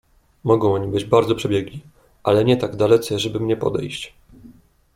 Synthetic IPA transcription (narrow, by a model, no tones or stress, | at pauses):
mɔɡɔ̃w̃ɔɲibɘd͡ʑbaɾd̪zɔpʂɛbʲjɛɡlʲi | ʔalɛɲɛt̪aɡd̪alɛt̪sɛʐɛbɘmɲɛpɔ̰d̪ɛ̰jɕt͡ɕ